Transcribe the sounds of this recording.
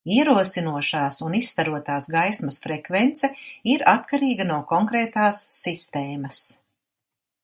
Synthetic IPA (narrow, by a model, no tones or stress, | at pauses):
iɛɾuɔsinuɔʃaːsunist̪aɾuɔt̪aːsɡajsmɐsfɾɛkvɛnt̪sɛiɾat̪kaɾiːɡɐnuɔkɔŋkɾeːt̪aːsːist̪eːmɐs